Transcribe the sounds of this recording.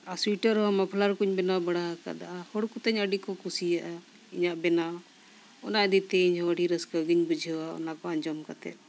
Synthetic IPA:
aswiʈəɾɔmapʰlaɾkuɲbɛnabəɽaɦəka̰d̪aʔahɔɽkut̪əɲəɖikɔkusijaʔa | iɲaʔbɛna | ɔnaʔd̪it̪ɛiɲɦɔəɽiɾəskəɡiɲbud͡ʒʱwaɔ̰nakɔaɲd͡ʒɔmkat̪ɛ̰t̪̚

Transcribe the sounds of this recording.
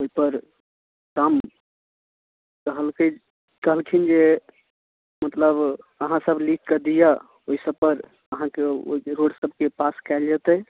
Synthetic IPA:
oipəɾ | kam | kəɦəlkəj | kəɦəlkʰind͡ʒe | mət̪ləbəɦãsəblik̚ʰkəd̪ija | oɦisəbpəɾ | əɦãkeo̰iɾoɽsəb̚ʱkepaskaɪld͡ʒat̪ə

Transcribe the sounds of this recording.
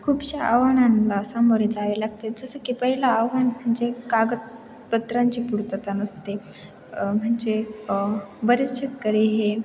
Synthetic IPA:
kʰuːbɕaʔaʋaɳanlasaməɾed͡zaʋelaɡ̚t̪ed͡zəsəkipəɦilaːʋaɳm̤əɳd͡zekaɡət̪̚ | bət̪ɾaɲt͡ɕiːpuɽt̪ət̪anəst̪e | m̤əɳd͡ze | bəɾit͡ɕʰit̪kəɾiɦe

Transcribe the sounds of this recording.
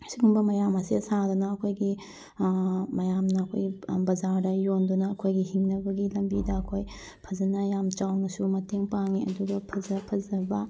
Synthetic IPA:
siɡumbɐmɐjamɐsiɐsad̪unɐːkʰojɡi | mɐjamnɐːkʰo̰jɡibɐd͡ʒaɾdɐjondunɐːkʰojɡiɦiŋnɐbɐɡilɐmbidɐɐkʰoj | pʰɐzɐnɐjamt͡ʃawnɐsumɐteŋpaŋiɐ̰duɡɐpʰɐzɐpʰɐzɐbɐ

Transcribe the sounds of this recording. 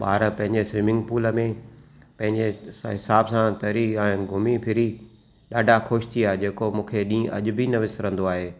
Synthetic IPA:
ɓa̰ːɾpɐ̃ɦɪ̃ɲd͡ʑesʋɪmɪ̃ŋɡ̚puːləmẽ | pɐ̃ɦɪ̃ɲd͡ʑeɦɪsaːbsãt̪ɐɾiɛ̃ːɡʱʊmipʰɪɾi | ɗaːɖʱaxʊʃt̪ʰiaːɦed͡ʑeːkomũːkʰeɗĩːʔɐ̰ʄʊbʱinɐʋɪsɾɐ̃nd̪oaːɦeː

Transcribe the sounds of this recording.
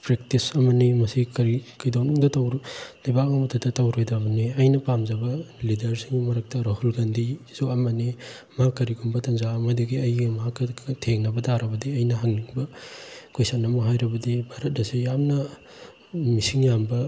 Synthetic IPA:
pɾek̚tisɐmɐnimɐsikɐɾikɐjdawnuŋdɐtɐwɾlɐjbak̚mɐmutʰɐtːɐtɐwɾojdɐmɐniɐjnɐpamzɐbɐlidɐɾsiŋɡimɐɾɐk̚tɐɾɐhulɡandizoɐmɐni | mɐhakːɐɾiɡumbɐtʰɐŋzaɐmɐdɐɡiɐjɡimɐɦakːɐtʰeŋnɐbɐdaɾɐbɐdiɐjnɐɦaŋniŋbɐkojsanɐmɐɦajɾɐbɐdibʱaɾɐt̚nɐsijamnɐ | misiŋjambɐ

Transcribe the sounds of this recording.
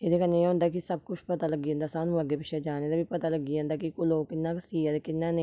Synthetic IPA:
eːd̪eːkənːẽːɦõːnd̪aːkɪsəb̚kʊt͡ʃʰpət̪aːləɡiːõːnd̪aːsaːnũːəɡeːpɪʃʰeːd͡ʒaːneːd̪aːbiːpət̪aːləɡiːõːnd̪aːkikʊloːkɪnːaːksiːad̪ekɪnːãːnẽː

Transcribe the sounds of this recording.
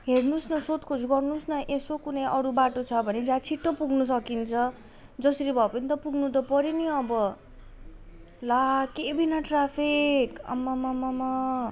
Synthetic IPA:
ɦeɽnusnʌsot̪kʰot͡sɡʌrnusnʌʔesokunʌjʔʌɾubaʈot͡sʰʌbʱʌned͡zãt͡sʰiʈːopuɡnus̬ʌkint͡sʰʌ | d͡zʌsʌɾibʱʌpʌnit̪ʌpuɡnut̪̬ʌpʌɾiniʌbʌ | lakebinaʈrapʰikʌ̰mːamamama

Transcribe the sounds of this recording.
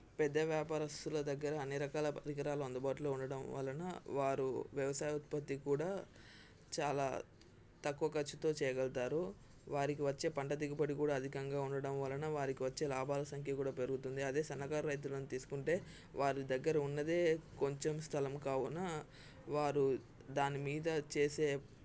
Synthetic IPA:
pɛd̪ːɐʋjaːpaːɾɐst̪ulɐd̪ɐɡːɐɾɐːnːiɾɐkaːlɐpɐɾikɐɾaːlɐɐnd̪ɐbaːʈulo̞ːuɳɖɐɽɐmʋɐ̰lːɐnɐ̰ʋaːɾuʋjɐʋɐsaːjɐut̪̚pɐt̪ːikuːɽaː | t͡ʃaːla̰ː | t̪ɐkːuʋɐkɐt͡ʃːut̪o̞ːt͡ʃɛːjɐɡɛlt̪aːɾu | ʋaːɾikiʋɐt͡ʃːe̞ːpɐɳʈɐd̪iɡɐpɐɽikuːɽaːɐd̪ʱikɐŋɡaːuɳɖɐɽɐmʋɐlːɐnɐʋaːɾikiʋɐt͡ʃːe̞ːlaːbʱaːlɐsɐŋkʰjɐkuːɽaːpe̞ɾuɡut̪und̪iɐd̪e̞ːsɐnːɐkaːɾɐɾɐjt̪̬ulɐnut̪iːsu̥kuɳʈe̞ː | ʋaːɾid̪ɐɡːɐɾɐunːɐd̪e̞ːko̞ɲt͡ʃemst̪ʰɐlɐmkaːwunɐ | ʋaːɾu | d̪aːnimiːd̪ɐt͡ʃeːse̞ː

